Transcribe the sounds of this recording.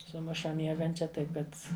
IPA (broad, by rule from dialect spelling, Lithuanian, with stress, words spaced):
sʊˈmʊʃɐ ˈmʲiɛɡɐnʲt͡ʃʲɛ ˈtɐɪp ˈkɐt